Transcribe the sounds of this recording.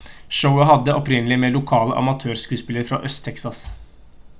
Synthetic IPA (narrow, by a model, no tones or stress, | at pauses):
ʂəʊəɦɑd̪ːəʔɔpɾɪnəlɪmeːlʊkʰɑːlə̰ʔɑ̰mɑt̪ʰøːɾskʉːspɪləɾfɾɑ̰ːʔœst̪ʰɛksɑs